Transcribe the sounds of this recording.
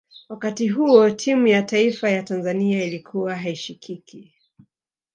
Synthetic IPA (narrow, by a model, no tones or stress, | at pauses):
wakatiɦuɔtʰimujataifajatanzaniailikʰuwaɦaiʃikʰikʰi